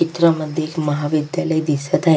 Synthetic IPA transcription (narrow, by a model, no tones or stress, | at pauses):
it̪ɾəməd̪ʱːjeekməɦaʋid̪jaləid̪isət̪aɦ